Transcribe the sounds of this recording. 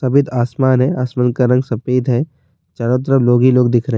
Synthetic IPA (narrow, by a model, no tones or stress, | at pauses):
sɐbɪd̪aːsmaːnɦɛaːsmaːnkaɾɐ̃ŋɡsɐpeːd̪ɦɛ | t͡ʃɐɽət̪̬ɾəloːɡiloːɡd̪ɪkʰɾəɦe